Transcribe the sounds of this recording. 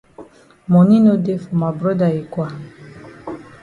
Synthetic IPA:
mɔ˨ni˦no˦de˦fɔ˨ma˨bɾɔ˦da˨i˨kwa˨

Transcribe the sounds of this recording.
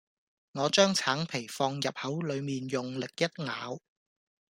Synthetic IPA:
ŋɔː˨˧t͡ʃœː˥ŋt͡sʰaː˨˥ŋpʰe˨˩jfɔː˧ŋjɐ˨p̚hɐ˨˥wlɵ˨˧ɥmiː˨njʊ˨ŋlɪ˨k̚jɐ˥t̚ŋaː˨˧w

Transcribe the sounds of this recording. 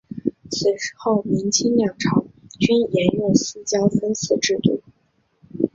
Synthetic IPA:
swe˧˥ɪʂɻ̩˥xo˥˩ʊmi˧˥nt͡ɕʰi˥ŋljɑ˥˩ŋʈ͡ʂʰɑ˧˥ʊt͡ɕy˥njɛ˧˥nɥɛ˥˩ns̩˥t͡ɕjɑ˥ʊfə˥ns̩ʰ˥˧˩ʈ͡ʂɻ̩˥˧t̪ṵ˥˩

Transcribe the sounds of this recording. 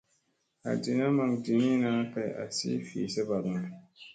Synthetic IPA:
a̰˨di˨na˦ma˨ŋdi˨ni˦naː˦ka˨ʔa̰˨sḭː˦fḭː˨sɨ˦ba˨bʊ˨ŋa˨

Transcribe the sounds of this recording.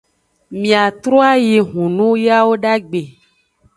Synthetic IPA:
mĩ˨a˨t̪ɾo˦a˦ji˨ɦũ˨nũ˦ja˦wo˦ɖa˦ɡ͡be˨

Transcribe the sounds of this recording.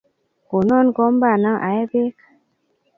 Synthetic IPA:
ko˨nɔ˦nɡɔ˦m˦ba˦˨na˦ŋʔa̰˨je˦be˦k

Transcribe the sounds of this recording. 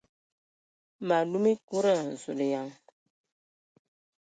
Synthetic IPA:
ma˨lu˦mi˦ku˦ɾa˦˨n̩˨zu˨le˨ja˨˦ŋ

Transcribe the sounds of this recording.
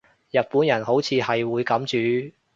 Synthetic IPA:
jɐ˨t̚puː˨˥njɐ˨˩nho˨˥wt͡sʰiː˨˧hɐ˨jwuː˨˧jkɐ˨˥mt͡ʃyː˨˧

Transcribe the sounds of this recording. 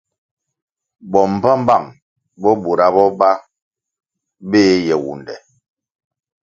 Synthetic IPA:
bɔ˨m̩˨ba˦m˦ba˦˨ŋ | bɔ˦bu˨ɾa˦bɔ˦ba˦ | beː˦jɛ˨wṵ˨ndɛ̰˨

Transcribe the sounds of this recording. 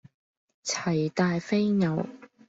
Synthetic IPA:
t͡sʰɐ˨˩jt̪aː˨˧jfe˥jŋɐ˨˧w

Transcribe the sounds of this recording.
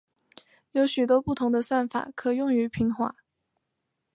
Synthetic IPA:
jo˧˥ʊɕy˨˩t̪wɔ˥pu˥˩t̪ʰʊ˧˥ŋd̪ə˧swa˥˩nfa̰˨˩˦kʰɤ˨˩jʊ˥˩ŋy˧˥pʰi˧˥ŋxwa̰˧˥˦

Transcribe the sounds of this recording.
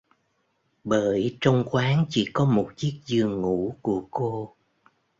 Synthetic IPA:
ɓəː˧˩˨jt͡ɕə˧wŋ͡mxwaː˨˦ŋt͡ɕḭ˧˩kɔ˨˦mo˨˩t̚t͡ɕi˦˥ək̚zɨ˨˩əŋːṵ˧˥˨ku˧˩əko˧

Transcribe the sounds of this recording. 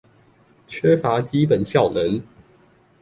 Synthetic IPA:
t͡ɕʰɥɛ˦fa˨˦t͡ɕi˦p̬ə˨˩nɕjɑ˥˨ʊnə˨˦ŋ

